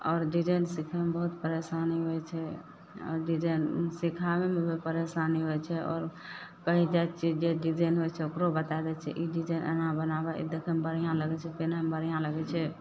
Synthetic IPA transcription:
ɔːɾɖid͡ʒənsikʰamebəɦut̪pəɾesaniɦojt͡ʃʰɛ | ɔ̰ːɾɖid͡ʒənsikʰamemebepəɾesaniɦojt͡ʃʰɛɔ̰ːɾkəɦid͡ʒat͡ʃʰid͡ʒeɖid͡ʒanɦojt͡ʃʰɛokɾobət̪ad̪ɛt͡ʃʰɛ̰ʔiɖid͡ʒəjnʔə̰nãbənabaʔḭd̪ekʰəmbəɾijãləɡɛt͡ʃʰɛpenamebəɾjãləɡɛt͡ʃʰɛ

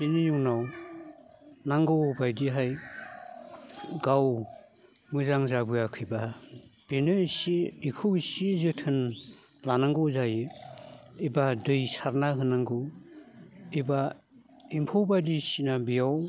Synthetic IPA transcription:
benɯjuŋnaw | naŋɡɯwbajdiɦaj | ɡaw | mɯzaŋzabɯjakʰɯjbab̥enɯsiikʰɯwisizɯtʰɯn | lanaŋɡɯwzajɯ | ibadɯjsaɾnaɦɯnaŋɡɯ | iba | impʰowbadisinabijaw

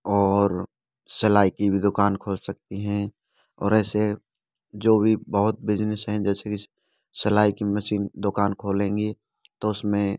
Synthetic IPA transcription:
ɔːɾ | sɐlaːikibʱid̪ʊkaːnkʰoːlsɐk̚t̪iɦɛ̃ | ɔ̰ːɾɛːse | d͡ʒoːbʱibəɦʊt̪̚beːd͡ʒnɪsɦɛ̃d͡ʒɛːseki | sɐlaːikimɐsiːnd̪ʊkaːnkʰoːlẽːŋɡi | t̪oʊsmẽ

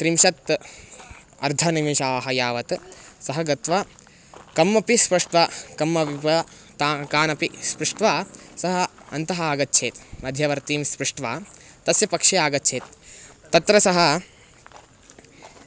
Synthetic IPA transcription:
t̪ɾimʃɐt̪ | ɐ̰ɾd̪ʱɐnimiʃaːɦɐjaːʋɐt̪sɐɦɐɡɐt̪ʋɐ | kɐmːɐpispɾuʂʈʋakɐmːɐppɐ | t̪akaːnɐpispɾuʂʈʋaːsɐɦɐɐnt̪ɐɦɐaːɡɐtːʃʰeːt̪mɐd̪ʱjɐʋɐɾt̪iːmspɾuʂʈʋaːt̪ɐsjɐpɐkʂejaːɡɐtːt͡ʃʰeːt̪̚ːɐt̪ɾɐsɐɦɐ̆

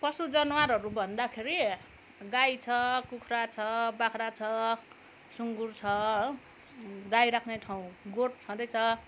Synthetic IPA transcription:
pʌsud͡zʌnwaɾɦʌɾubʱʌnd̪akʰeɾi | ɡajt͡sʰʌkukʰrat͡sʰʌbakʰɾat͡sʰʌ | suŋɡurt͡sʰʌ | ɡajɾakʰneʈʰaũɡoʈt͡sʰʌ̃d̪ʌjt͡sʰʌ

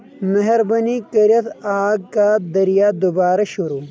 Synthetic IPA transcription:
mɐɦɐɾbɐnikɐɾjɐt̪aːɡ̚kad̪ɐɾijaːd̪ubaːɾɐɕuɾuː

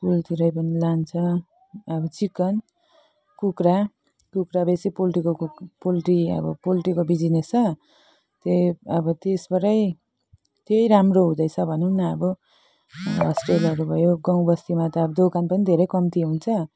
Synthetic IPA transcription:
pult̪ʰiɾʌjpʌnilant͡sʰʌ | ʌbʌt͡sikʌn | kukɾa | kukɾabesipolʈikopolʈiʌ̰bʌpolʈikobid͡zinet͡sʰʌ | t̪eʌbʌt̪esbʌɾʌj | t̪ejɾamroɦũd̪ʌjt͡sʰʌbʱʌneunʌʌbʌ | ʌsʈrelʌɾubʱʌjoɡaw̃bʌst̪imat̪ʌːbʌd̪okanpʌnid̪ʱeɾʌjkʌmt̪iɦunt͡sʰʌ

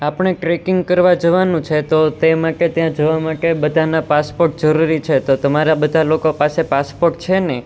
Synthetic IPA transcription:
apəɳeʈɾekɪŋɡkəɾʋad͡ʒəʋanũt͡ʃʰet̪ot̪emãket̪jãd͡ʒəʋamãkebəd̪ʱanapaspoɾʈ̚d͡ʒəɾuɾit͡ʃʰet̪ot̪əmaɾabəd̪ʱalokopasepaspoɾʈ̚t͡ʃʰene

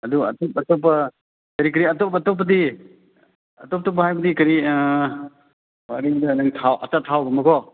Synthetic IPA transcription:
ɐduɐ̰tɔpɐtɔpːɐ | kɐɾikɐɾiɐtɔpɐtɔp̬ːɐdi | ɐtɔp̚tɔp̬ːɐɦajbɐdikɐɾi | waɾiŋdɐnɐŋtʰawʔɐ̰tatʰawɡɐmɐkʰɔ

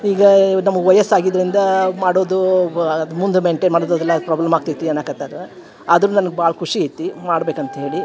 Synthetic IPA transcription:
iːɡɐnɐmːɐɡʋɐjɐsaːɡid̪ːɐɾind̪ɐmaːɽoːd̪uɐd̪umund̪umeɳʈeːnmaːɽoːd̪od̪ɛlːɐpɾaːblɐmaːɡ̚t̪it̪ːiɐnːaːkɐt̪aːd̪ɐɾe | ɐd̪ɐɾuːnɐnɐɡebaɦɐɭɐkʰuʂiit̪ːimaːɽbe̞ːkɐnt̪ɐɦe̞ːɭi

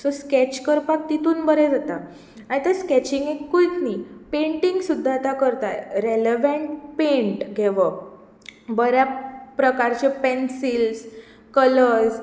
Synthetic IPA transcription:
sɔskɛt͡ɕkəɾpak̚t̪it̪uːnbəɾɛd͡zat̪a | aɽ̃it̪əskɛt͡ɕiŋɡekːuik̪nipẽɳʈiŋɡsud̪ʱːat̪akəɾt̪a̰jɾeleʋeɳʈpẽɳʈɡʱeʋə | bəɾjapɾəkaɾt͡ɕepensils | kələɾs

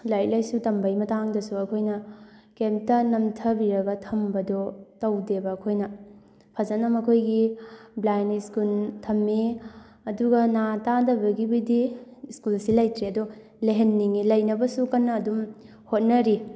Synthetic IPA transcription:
lajt̚lɐjsutɐmbɐjmɐtaŋdɐsuɐkʰojnɐkemptɐnɐmtʰɐbiɾɐɡɐtʰɐmbɐdɔtɐwdebɐːkʰojnɐ | pʰɐzɐnɐmɐkʰojɡiblajniskultʰɐmːi | ɐduɡɐnatadɐbɐɡibidiskulsilɐjtɾeɐdɔ | leɦenːiŋilɐjnɐbɐsukɐnːɐːdum | hot̚nɐɾi

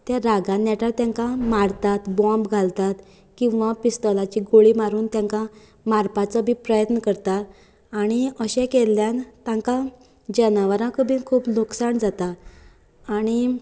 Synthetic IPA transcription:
t̪jaɾaɡãnːjɛʈat̪jãŋkamaɽt̪at̪bɔ̃mbɡʱalt̪at̪ | kĩw̃ʋapist̪əlat͡ɕiːɡoɭiːmaɾuːnt̪jãŋka | maɾpat͡səbʱipɾəjət̪nəkəɾt̪at̪ | aɽ̃iəɕɛ̃kelːjant̪ãŋka | d͡ʑənaʋəɾãkʰəbʱiːnkʰuːpluksaɳd͡zat̪aː | ɽ̃i

